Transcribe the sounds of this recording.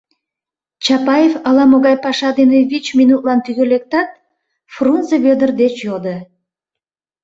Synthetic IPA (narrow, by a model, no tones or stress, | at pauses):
t͡ɕɑpɑjefəlɑmoɣɑjpɑʃɑd̪eneβit͡ɕminut̪̚lɑnt̪yɣølek̚t̪ɑt̪̚ | frunzəβød̪ərd̪et͡ɕjod̪e